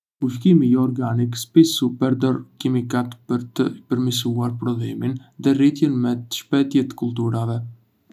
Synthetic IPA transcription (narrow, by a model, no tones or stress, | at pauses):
ufkimijɔɾɡanikspisupɛɾd̪ɔɾkimikat̪pəɾt̪əpəɾmis̬uaɾpɾɔlɛminðɛrit̪jɛnmɛt̪ə̥ʃpɛt̪jɛt̪kulˠt̪̬uɾavɛ